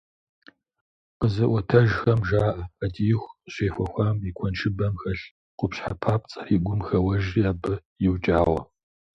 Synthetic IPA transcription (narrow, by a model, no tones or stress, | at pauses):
qəzɐʔʷɔtʰɐʒxɐmʒaːʔɐɐdijɪxʷɕeːxʷɔxʷaːmikʷʰɔnt͡ʃʰɪbɐmxɐɬ | qʷʊpɕħa̰pʰaːp̚t͡sʼɐ̥fiːɡʷʊmxɐwɐʒaːbɨjɪwt͡ʃʼaːʁʷɐ̰